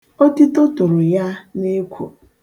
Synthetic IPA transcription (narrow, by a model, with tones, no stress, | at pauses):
o˦tɪ˦tʊ˦tʊ˨ɾʊ˨ja˦ne˦kʷo̰˨